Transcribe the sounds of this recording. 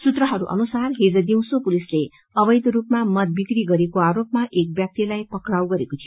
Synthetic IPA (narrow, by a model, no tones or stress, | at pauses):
sut̪rʌɦʌɾuʔʌ̰nusarɦed͡zʌd̪iw̃sopulisle | ʌbʌjd̪rupmamʌt̪̚bikɾiɡʌɾekoaɾop̚maʔek̚bjak̚t̪jelajpʌkrawɡʌɾekot̪ʰij